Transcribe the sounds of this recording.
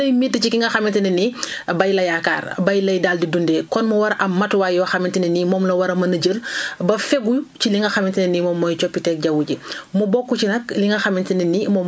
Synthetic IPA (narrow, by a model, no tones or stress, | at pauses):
ɐjmitːət͡ʃikiŋɡɐxɐmintɐninibɐjlɐjaka̰ːrbɐjlɐjdaːldidundɛːkɔnmɐwɐɾɐmːɐtwaːjɔxɐmintininimɔːmlɐwɐɾɐmɐnɐɟəlbɐfɛɡut͡ʃiliŋɡɐxɐmintɐninimɔːmːɔjt͡ʃɔpːitɛk̚ɟɐwuɟimubɔkːut͡ʃinɐk̚liŋɡɐxɐmintininimɔːm